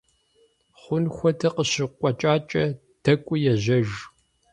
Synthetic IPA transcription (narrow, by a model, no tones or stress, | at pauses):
χʷʊnxʷɔtʰɐqəɕɪqʷʼɔt͡ʃʼaːt͡ʃʼɐ | d̥ʰɐkʷʼʊjɛʑɐʒ